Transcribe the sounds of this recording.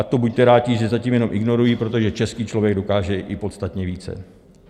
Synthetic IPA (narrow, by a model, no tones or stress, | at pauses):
at̪o̞buc̚t̪ɛɾaːciʒɛzaciːmjɛno̞mʔɪɡno̞ɾujipɾo̞t̪o̞ʒɛt͡ʃɛskiːt͡ʃlovjɛɡdo̞kaːʒɛʔɪpo̞t̪st̪at̪ɲɛviːt͡sɛ̰